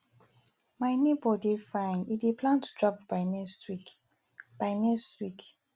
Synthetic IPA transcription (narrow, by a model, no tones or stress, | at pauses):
maɪnebɔdefãɪ̃nidepʰlãntʰu̥dɹavbaɪnɛstwik | b̥aɪnɛstwik